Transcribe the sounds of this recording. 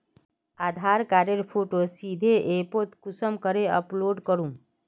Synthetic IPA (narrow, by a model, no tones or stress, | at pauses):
aːd̪ʱaɾkaɾeɾpʰoʈosid̪ʱeʔepot̪kusəmkəɾeə̰ploɖkəɾũ